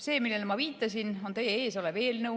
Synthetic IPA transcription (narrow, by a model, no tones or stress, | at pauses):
se̞ːmilːelmɑviːt̪ːˑɑsʲino̞nt̪e̞jee̞ːso̞leve̞ːlnɤ